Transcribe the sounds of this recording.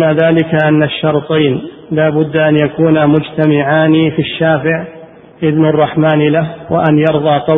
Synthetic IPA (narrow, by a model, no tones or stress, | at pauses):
naðaːlɪkaʔanːaʃːɑɾˤt̪ˤijn | laːbʊd̪ːʔanjakuːnamʊd͡ʒt̪amɪʕaːnifiʃːaːfɪʕ | ʔɪðnɑrˤːɑħmaːnɪlahwa̰ʔanjɑɾðˤɑːqɑ